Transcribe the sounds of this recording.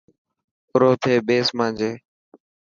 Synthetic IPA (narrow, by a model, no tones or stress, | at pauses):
ʊɾoːt̪ʰeːɓeːsmãːd͡ʒeː